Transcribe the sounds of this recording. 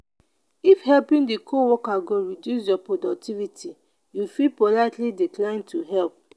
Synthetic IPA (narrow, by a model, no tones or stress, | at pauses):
ifhɛlpĩndikʰowɔkaɡoɹidjusjɔpodɔk̚tʰivitʰi | jufipolaɪtlidiklãɪ̃ntʰuɦɛlp̚